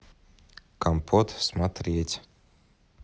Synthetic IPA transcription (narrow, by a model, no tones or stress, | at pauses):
kampʰɔt̪smat̪ɾiɛt͡s̪ʲ